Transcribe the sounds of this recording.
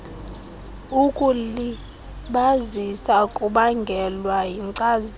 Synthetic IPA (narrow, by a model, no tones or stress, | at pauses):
ukʼuli | ɓazisakʼuɓaŋɡʱɛlwajiŋǀaz